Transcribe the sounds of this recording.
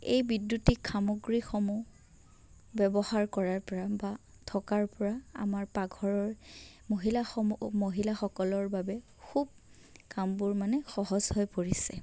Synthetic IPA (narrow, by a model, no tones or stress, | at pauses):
ejbidjutikʰːamoɡɹixɔmu | bɛbɔhaɹkɔɹaɹpɔɹaba | tʰɔkaɹpɔɹaa̰maɹpaɡʱɔɹɔɹ | moɦilaxɔmumoɦilaxɔkɔlɔɹbabɛ | kʰub̚ | kambuɹmanɛxɔɦɔzɦɔjpoɹisɛ